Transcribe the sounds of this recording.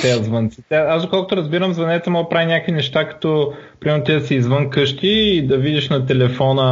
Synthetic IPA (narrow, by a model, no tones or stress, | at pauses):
t̪ɛəzvənt̪sit̪ɛazd̪okɔlˠkot̪oɾɐzbiɾəmzvɐnɛt̪səmɔɡəpɾavinʲakəvinɛʃt̪akɐ̥t̪ɔ | pɾimɛɾnʊt̪isiːzvɤnkɤʃt̪iːd̪ɐvid̪iʃnɐt̪ɛlɛfɔnə